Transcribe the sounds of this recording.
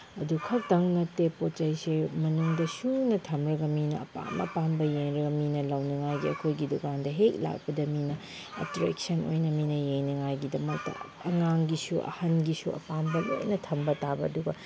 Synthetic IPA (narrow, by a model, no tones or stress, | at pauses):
ɐdukʰɐk̚tɐŋnɐtepott͡ʃɐjsemɐnuŋdɐsunɐtʰɐmɾɐɡɐminɐɐ̰pa̰mɐ̰pambɐjeŋɾɐɡɐminɐlɐwnɐŋajɡiɐkʰojɡidukandɐɦek̚la̰k̚pɐdɐminɐ | ɐ̰tɾɛ̰k̚sɐno̰jnɐminɐjeŋnɐŋajɡidɐmɐk̚tɐ̰ | ɐŋaŋɡisuʔɐ̰hɐnɡisuɐ̰pambɐlo̰jnɐtʰɐmbɐtabɐɐduɡɐ